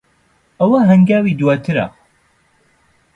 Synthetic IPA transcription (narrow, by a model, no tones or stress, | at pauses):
ɐwɐɦɐŋɡaːwid̪uwaːt̪ʰɨɾɐ̰